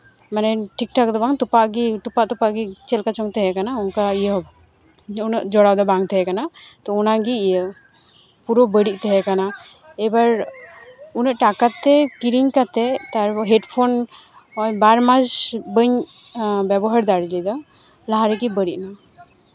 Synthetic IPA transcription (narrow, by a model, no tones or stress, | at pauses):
manɛʈik̚ʈak̚d̪ɔbaŋt̪upaʔɡit̪upaʔt̪upaʔɡit͡ʃɛlkat͡ʃɔŋt̪ɛɦɛkanaunkaijə | unəʔd͡ʒɔɽawd̪ɔbaŋt̪ʰɛɦɛkanat̪ɔunaɡiːjə | puɾɔbəɽiʔ̚ˀt̪ɛɦɛkana | ɛbaɾ | unəʔʈakat̪ɛkiɾiɲkat̪ɛt̪aɾɔɦɛʈpʰon | ɔbaɾmad͡ʒbəɲ | bɛbɔɦaɾd̪aɽilid̪ɔ | laɦaɾɛɡibəɽiʔ̚na